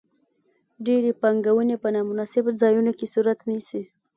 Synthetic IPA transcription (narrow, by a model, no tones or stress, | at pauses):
ɖeɾepaŋɡawənepənɑmʊnɑsɪbzɑjunokesuɾat̪nisi